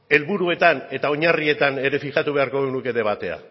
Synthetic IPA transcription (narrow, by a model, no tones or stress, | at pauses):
e̞lβuɾue̞t̪ane̞t̪ao̞ɲarie̞t̪ane̞ɾe̞fiʝat̪uβ̞e̞aɾkoɣenuke̞ðe̞β̞at̪e̞a̰